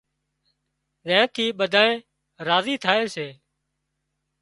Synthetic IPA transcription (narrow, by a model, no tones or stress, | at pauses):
ɗɛ̃ːt̪ʰiːɓəd̪ʱaːnẽː | ɾaːziːt̪ʰaːeːseː